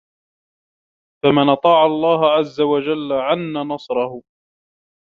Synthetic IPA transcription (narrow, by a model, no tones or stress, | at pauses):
famanʔɑt̪ˤɑːʕalˤːɑːɦʕazːawad͡ʒalːaʕanːanɑsˤɾˤɑhʊ